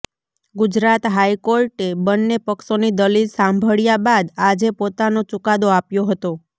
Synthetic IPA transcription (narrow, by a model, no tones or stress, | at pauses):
ɡʊd͡ʒɾat̪ɦajkoɾʈebənːepəkʃonid̪əlilsambʱəɭjabad̪ad͡ʒepot̪anot͡ʃʊkad̪oapjoɦət̪o